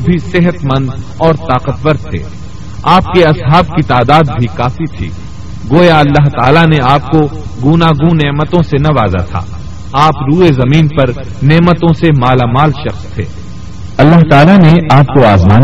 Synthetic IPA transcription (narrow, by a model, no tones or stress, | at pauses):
bʱisɪɦət̪mɐ̃nd̪ | ɔːɾt̪aːqət̪ʋəɾt̪̚t̪ʰːḛː | aːp̚keɐsɦaːb̚kit̪aːd̪aːd̪bʱikaːfit̪ʰḭː | ɡoːjaɐlːaɦt̪aːlaneaːp̚koɡunaːɡũneːmət̪õsenɐʋaːza̰t̪ʰa̰ː | aːpɾuːezɐmiːnpɐɾ | neːmət̪õsemaːlamaːlʃɐxst̪ʰḛː | ɐlːaɦt̪aːlaneʔaːp̚koaːzmaː